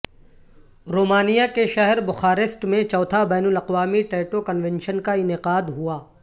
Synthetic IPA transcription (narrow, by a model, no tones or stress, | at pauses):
ɾoːmaːnijakeʃɐɦɛɾbʊxaːɾɪsʈmẽt͡ʃɔːt̪ʰabɛːnʊlɐqʋaːmiʈɛːʈokɐnʋɛ̃nʃənkaɪnɪqaːd̪ɦuaː